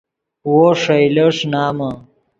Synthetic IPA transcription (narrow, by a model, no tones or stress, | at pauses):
woʂɐjlɐʂnaːmɐ